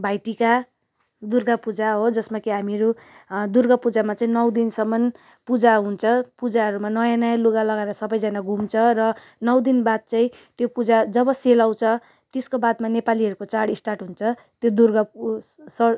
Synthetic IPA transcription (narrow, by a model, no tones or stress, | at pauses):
bʱajʈika | d̪urɡapud͡zaɦod͡zʌsmakeɦamiɾud̪urɡʌpud͡zamat͡saĩnʌwd̪insʌmːʌn | pud͡zaɦunt͡sʰʌpud͡zaɦʌɾumanʌjanʌjaloɡalʌɡaɾʌsʌbʌjd͡zʌnaɡʱumt͡sʰʌrʌ | nʌwd̪inbad̪̚t͡saĩ | t̪jopud͡zad͡zʌbʌselaw̃t͡sʰʌ | t̪eskobad̪manepaliʌɾukot͡saɽisʈarʈɦunt͡sʰʌ | t̪jod̪urɡʌsʌ